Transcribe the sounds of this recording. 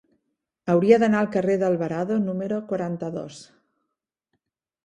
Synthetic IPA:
əwɾiəðənaəlˠkəreðəlˠβəɾaðonuməɾokwəɾant̪əðo̰s

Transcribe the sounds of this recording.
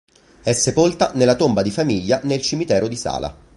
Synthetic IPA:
ɛsːepolt̪anelːat̪ombad̪ifamiʎːanelt͡ʃimit̪ɛːɾod̪isa̰ːlʔa̰

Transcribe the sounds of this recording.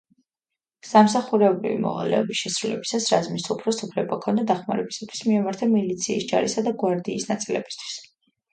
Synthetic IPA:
samsaχuɾɛɔbɾḭvḭmɔ̰ʁa̰lɛ̰ɔbisʃɛsɾulɛbisasɾazminsupʰɾɔsupʰlɛbakʰɔnd̪ad̪aχmaɾɛbisat̪ʰwi̥smiamaɾt̪ʰamilit̪sʰiːsd͡ʒa̰ɾisad̪aɡwaɾd̪iːsnat̪sʼilɛ̰b̥i̥st̪ʰw̥i̥s

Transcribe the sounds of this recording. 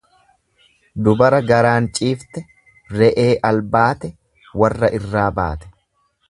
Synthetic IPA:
d̪ʊbɐɾɐɡɐɾaːnt͡ʃʼiːft̪ɛ | rɛʔeːʔɐlbaːt̪ɛ | wɐrːɐʔɪrːaːba̰ːt̪ɛ̥

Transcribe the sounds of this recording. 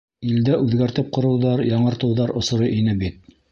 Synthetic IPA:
ild̪æʔʉðɡæɾt̪ɘp̚qŏɾɤ̆wðɑɾjɑɴɤ̆ɾt̪ɤ̆wðɑɾŏsŏɾɤʔinɘbit̪̚

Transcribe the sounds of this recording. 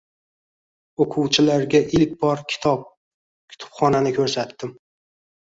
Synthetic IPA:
oqʰʊwt͡ʃʰɪlaɾɡʲaʔɪlk̚ʲbɒɾkʲʰɪ̥t̪ʰɒp̚ | kʲʰʊ̥t̪ʰʊ̥pχɒnanɪkʲʰɵɾsat̪ːɪm

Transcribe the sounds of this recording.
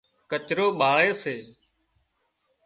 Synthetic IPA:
kət͡ʃɾoːɓaːɭeːseː

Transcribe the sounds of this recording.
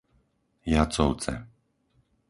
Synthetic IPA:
jat͡sɔʊt͡sɛ̰

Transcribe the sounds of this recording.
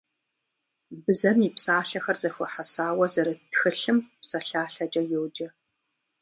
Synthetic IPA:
bɨzɐmipsaːɬɐxɐrzɐxʷɔħasaːwɐzɐɾɐtxɨɬɨmpsɐɬaːɬɐd͡ʒʼɐjowd͡ʒɐ

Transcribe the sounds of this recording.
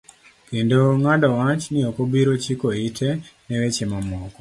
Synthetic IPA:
kindoŋadawat͡ʃnijokobiɾot͡ʃikoitʰeneʋet͡ʃemamɔːko

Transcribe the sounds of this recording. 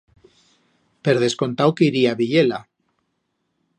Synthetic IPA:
peɾð̞e̞sko̞nt̪awkeiɾiaβiʎela

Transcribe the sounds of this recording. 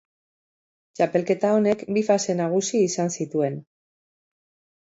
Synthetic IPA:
t͡ʃape̞lke̞t̪ao̞ne̞kbifase̞naɣ̞usiːsansit̪ue̞n

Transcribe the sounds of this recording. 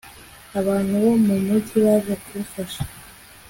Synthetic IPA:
aβaːn̥huβomumutʰiβazakuβufaʃḁ

